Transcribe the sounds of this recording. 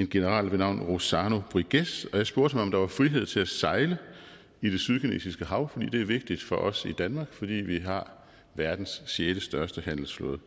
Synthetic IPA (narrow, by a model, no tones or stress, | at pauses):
e̝nɡ̥e̝nəʁɑ̰̈ːlʋenɑ̈ʊ̰nʁo̝sɑːno̝b̥ʁiɡ̥esɒ̽jɑ̈ɪsb̥o̝ɐ̰t͡sʰmɒ̽md̥ɑ̈ʋɑ̈fʁiɦe̝ð̞̰ˠt͡sʰe̝læsɑ̈ɪlə | id̥e̝syð̞ˠkʰine̝̰ːsisɡ̥əɦɑ̈ʊ̰fɒ̽d̥ḭːd̥e̝æɐʋe̝ɡ̥̚d̥id̥fɒ̽ʔɒ̽sid̥ænmɑ̈ːɡ̥fɒ̽d̥ḭːʋiɦɑ̈ | ʋæɐd̥n̩sːjeːd̥əsd̥ɶɐsd̥əhæn̰l̩sflɔ̰ːðˠ